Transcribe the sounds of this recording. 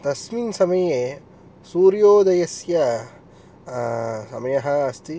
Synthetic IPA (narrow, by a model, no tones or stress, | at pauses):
t̪ɐsminsɐmɐje | suːɾjoːd̪ɐjɐsjɐ | sɐ̰mɐjɐɦɐ̆ːst̪i